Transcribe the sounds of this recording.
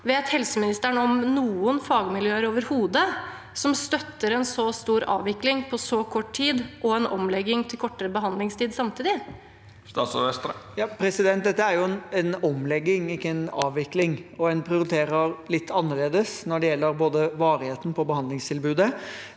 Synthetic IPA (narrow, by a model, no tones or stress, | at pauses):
ʋeːt̪hɛlsəmɪnɪst̪əɳəɔmnuːənfɑːɡmɪljøːəɾoːʋəɾhuːd̪ə | sɔmst̪œt̪ːəɾɛnsɔst̪uːɾɑ̰ːʋɪklɪŋpʰɔsɔkʰɔʈːtʰiːd̪ʔɔɛnʔɔmlɛɡːɪŋt̪ʰɪlkʰɔʈːəɾəbəɦɑnd̪lɪŋst̪ʰiːd̪sɑmt̪ʰiːd̪ɪ | st̪ɑːsɔʋɛst̪ɾjɑːpʰɾɛsɪd̪ɛnt̪̚d̪ɛt̪ːəæɾjʊɛnɛnɔmlɛɡːɪŋɪkːəɛnɑ̰ːʋʋɪklɪŋɔɛnpʰɾɪʊɾɪt̪ʰeːɾəɾlɪt̪ʰːɑnːəɭeːd̪əsnɔɖɛjɛlːəɾboːd̪əʋɑːɾɪheːt̪ən̩pʰɔbəhɑnd̪lɪŋst̪ʰɪlbʉːd̪ə